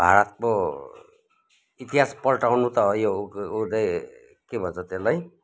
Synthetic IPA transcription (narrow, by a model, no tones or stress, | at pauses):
bʱa̰ɾʌt̪mo | it̪iɦaspʌlʈawnut̪ʌːjoud̪ʌj | kebʱʌnt͡sʰʌt̪elaj